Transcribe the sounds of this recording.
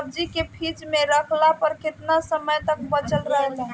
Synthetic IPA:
b̚d͡ʒikepʰid͡ʒmeɾəkʰlapəɾkɪt̪nasəməjt̪ək̚bət͡ʃəlɾəɦlɛ

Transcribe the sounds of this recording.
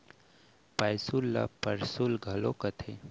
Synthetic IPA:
pajsulːa̰pəɾsulɡʱɐlokət̪ʰe

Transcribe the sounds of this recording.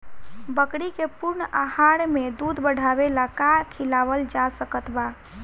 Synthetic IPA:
bəkɽikepuɾnəahaɽmed̪ud̪bəɽ̤ʱaβelakakʰilaβəld͡ʒasəkət̪ba

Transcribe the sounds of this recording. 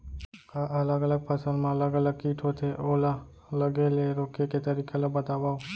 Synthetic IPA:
kaʔələɡələɡ̚pəsəlmãələɡələɡ̚kiʈʰot̪ʰeʔola | ləɡeleɾokeket̪əɾikʰeləbət̪aʋao

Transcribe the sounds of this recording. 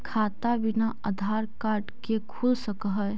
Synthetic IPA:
kʰaːt̪abɪnaəd̪ʱaːɾkaːɾɖkekʰulsəkɦəj

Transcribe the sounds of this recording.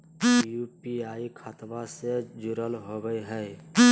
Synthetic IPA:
jupiaːikʰat̪ʋased͡ʒʊɾəlɦoɡəjɦəj

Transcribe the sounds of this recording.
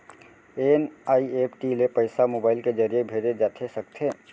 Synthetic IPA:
enaːieːpʈilepəɪsamoːbaːɪlked͡ʒəɾijebʱeɾed͡ʒaːt̪ʰesək̚t̪ʰe

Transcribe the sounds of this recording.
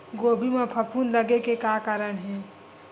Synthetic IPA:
ɡobʱimẽpʰəpʰunləɡekekakaɾənɦɛ̃

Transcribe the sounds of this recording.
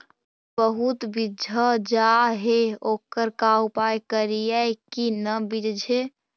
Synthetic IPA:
bəɦut̪bid͡ʒʱəd͡ʒaɦeokəɾkaupajkəɾijɛjkinəbid͡ʒd͡ʒʱe

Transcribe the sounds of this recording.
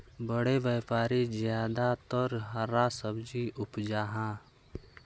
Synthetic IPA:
bəɽeʋjɛːpaːɾizjaːd̪at̪ɔɾɦəɾasəbd͡ʒiʊpd͡ʒaːɦãː

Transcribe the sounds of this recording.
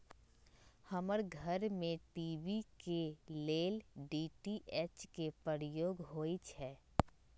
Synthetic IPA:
həməɾɡʱəɾmẽʈiːʋikeleːlɖiːʈiʔet͡ʃkepɾəɾjoːɡɦoːit͡ʃʰɛː

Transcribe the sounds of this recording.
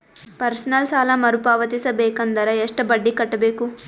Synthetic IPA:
pɐɾsɐnɐlsaːlɐmɐɾupaːʋɐt̪isɐbeːkɐnd̪ɐɾɐeʂʈɐbɐɖːikɐʈːɐbeːku

